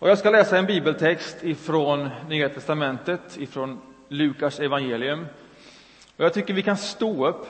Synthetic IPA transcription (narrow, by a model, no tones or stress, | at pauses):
ɔjɑːɡskalɛːsaɛnbiːbəlt̪ʰɛkst̪ɪfɾonnyːat̪ʰɛst̪amɛnt̪ət̪ɪfɾɔn | lʉ̟ːkaʂɛvanjeːlɪɵm | ɔjaɡt̪ʰʏkːəɾvɪkʰanst̪oːɵpː